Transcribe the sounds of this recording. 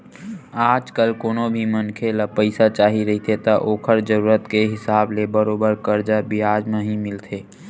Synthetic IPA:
aːd͡ʒkəlkoːnobʱimənkʰeləpəɪsat͡ʃaːɦiɾəɦit̪ʰet̪əʔoːkʰəɾd͡ʒəɾuːɾət̪keɦɪsaːblebəɾoːbəɾkəɾd͡ʒabiɦaːd͡ʒmẽɦĩmɪlt̪ʰeː

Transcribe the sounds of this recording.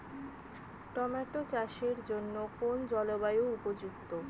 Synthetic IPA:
ʈɔmaʈot͡ɕaʃeɾd͡ʑonːokond͡ʑɔlobajoupod͡ʑuɡ̚t̪o

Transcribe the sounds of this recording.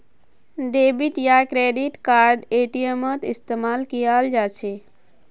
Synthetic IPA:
ɖebiʈjakɾeɖiʈkaɾɖeʈijəmət̪ist̪emalkijald͡ʒat͡ʃʰɛ

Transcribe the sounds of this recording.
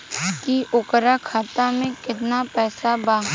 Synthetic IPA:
kiʔʊkɾakʰaːt̪amẽkɪt̪napɛːsabaː

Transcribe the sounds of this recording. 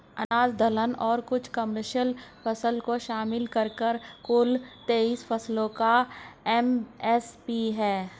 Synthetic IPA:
ɐnaːzd̪ʱələnɔːɾkʊt͡ʃʰkəməɾʃjəlfʰɐsəlkoʃaːmɪlkɐɾkəɾkʊlt̪eːiːsfɐslõkaɛmɛspiːɦɛː

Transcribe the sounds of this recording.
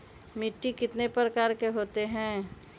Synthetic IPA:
mɪʈːikɪt̪nepɾəkaːɾkeɦoːt̪eɦɛ̃ː

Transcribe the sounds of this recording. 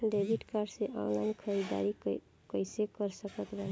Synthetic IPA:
ɖeɡiʈkaɾseʔãwlankʰəɾid̪a̰ɾi | kəjsekəɾsəkət̪ban

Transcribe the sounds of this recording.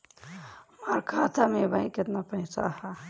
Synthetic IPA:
maːɾkʰaːt̪amẽbaĩkɪt̪napəɪ̃sa̰hɛ

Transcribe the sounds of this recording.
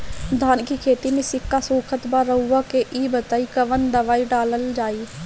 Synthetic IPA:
d̪ʱaːnkikʰeːt̪imẽsɪkːasuːkʰət̪baɾəʊːakeʔiːbət̪aːikɐʋənd̪ɐʋaːiɖaːləld͡ʒaːiː

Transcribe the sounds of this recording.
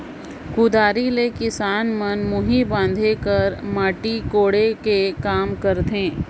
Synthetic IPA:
kʊd̪aːɾilekɪsaːnmənmʊɦibãːn̆d̪ʱekəɾmaːʈikoːɽekekaːmkəɾt̪ẽː

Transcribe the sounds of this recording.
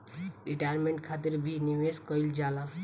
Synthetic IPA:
ɾiʈajəɾmẽɳʈ̚kʰat̪iɾbʱiniʋeskəild͡ʒaːlã

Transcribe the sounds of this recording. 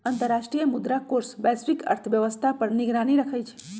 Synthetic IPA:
ənt̪əɾːaʃʈɾijəmud̪ɾakoɾsbɛsfikə̰ɾt̪ʰəʋjəʋəst̪ʰapəɾniɡɾaniɾəkʰəjt͡ʃʰe̥

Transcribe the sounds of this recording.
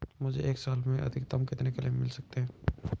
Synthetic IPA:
mʊd͡ʒʱḛʔeːksaːlmẽʔɐ̰d̪ʱɪk̚d̪ɐmkɪt̪nekelimɪlsɐk̚t̪eɦɛ̃ː

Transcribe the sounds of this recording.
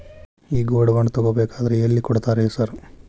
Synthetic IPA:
iːɡoːɽʋɐɳt̪ɐɡoːbeːkaːd̪ɐɾeelːikɔɽt̪aːɾesɐɾ

